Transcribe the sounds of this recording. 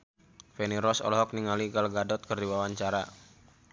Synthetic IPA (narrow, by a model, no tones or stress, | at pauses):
feniɾɔsɔ̰lɔɦɔk̚niŋaliɡalɡadɔt̪̚kərdiwawaɲt͡ʃaɾa